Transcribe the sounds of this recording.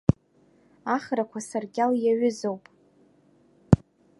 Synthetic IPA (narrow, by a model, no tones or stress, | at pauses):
aχrakʷʰasarɡʲaljaɥʏzowpʼ